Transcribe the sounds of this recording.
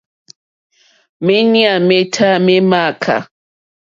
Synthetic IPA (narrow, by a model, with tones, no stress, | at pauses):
me˦ni˦a˨me˦tʰa˦me˦ma˦˨kʰa̰˨